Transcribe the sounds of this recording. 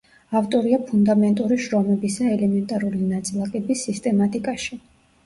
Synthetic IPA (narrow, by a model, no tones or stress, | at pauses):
aft̪ʼɔɾiapʰund̪amɛnt̪ʼuɾiʃɾɔmɛbisaɛlɛmɛnt̪ʼaɾulinat̪sʼilˠakʼɛbisːist̪ʼɛmat̪ʼikʼaʃi